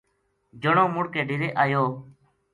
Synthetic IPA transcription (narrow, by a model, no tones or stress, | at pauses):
d͡ʒəɳõːmʊɽkeːɖɪɾeːʔaːjoː